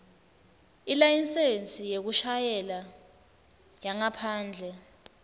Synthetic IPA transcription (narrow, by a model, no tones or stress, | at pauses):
ilajint͡sʼent͡sʼijek̬uʃajɛla | jaŋapʰaːnd͡ɮʱɛ